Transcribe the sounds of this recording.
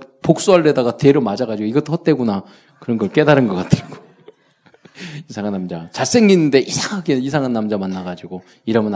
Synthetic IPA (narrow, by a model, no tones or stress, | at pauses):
pok̚s͈uɦaɭde̞daɡate̞ɾomad͡ʑaɡad͡ʑiɡoiɡʌt͈ʰoʌt͈e̞ɡuna | kɯɾʌnɡʌɭk͈e̞daɾɯnɡʌk͈atʰɯɡ̥o | isʰaŋanːamd͡ʑat͡ɕas͈e̞ŋɡinːɯnde̞ʔisʰaŋaɡeisʰaŋanːamd͡ʑamanːaɡad͡ʑiɡo | iɾʌmɯn